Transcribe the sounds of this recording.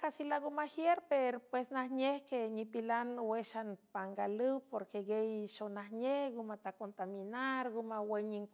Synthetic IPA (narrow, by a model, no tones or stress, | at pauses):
kasilaɡumaxjeɾpeɾopwesnahɲehkenipilanweʃanpaŋɡalɨwpoɾkeɡejʃonahɲehɡumat̪akont̪aminaɾɡumaweɲiŋ